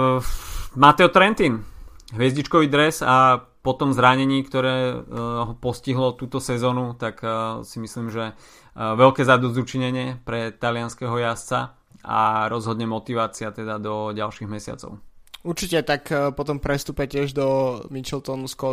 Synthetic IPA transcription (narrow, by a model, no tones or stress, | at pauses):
mat̪ɛɔt̪ɾɛnt̪iːnɦʋɛzɟit͡ʃkɔʋiːd̪ɾɛsa | pɔt̪ɔmzɾaɲɛɲiːkt̪ɔɾɛːɦɔpɔsciɦlɔt̪uːt̪ɔsɛzɔːnut̪aksimisliːmʒɛ | ʋɛlkɛːzad̪ɔzzut͡ʃiɲɛɲɪɛpɾɛt̪alɪanskɛɦɔjast͡sa | a̰ɾɔzɦɔd̪ɲɛmɔt̪iʋaːt͡siat̪ɛd̪ad̪ɔɟalʃiːɣmɛsɪa̰t͡sɔ̰ʊuɾt͡ʃicɛt̪akpɔt̪ɔmpɾɛst̪uːpɛcɪɛʒd̪ɔmit͡ʃɛlt̪ɔnuskɔ